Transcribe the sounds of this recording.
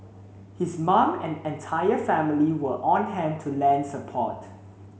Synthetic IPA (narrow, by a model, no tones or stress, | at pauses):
hismãmɛ̰̃nɛ̃ntʰajəfɛ̃miliwəʔɔ̃nɦɛ̃n̚tʰulɛ̃ndsəpʰɔ̰t